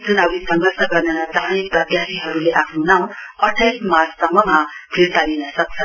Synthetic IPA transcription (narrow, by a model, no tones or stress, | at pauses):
d͡zunʌbisʌ̃ŋɡʌrsʰʌɡʌrnenat̪anipʌd̪jasiɦʌɾuleʔakʰnunãʌʈʰajsmat͡ssʌmːʌmapʰiɾt̪alinʌsʌk̚t͡sʰʌ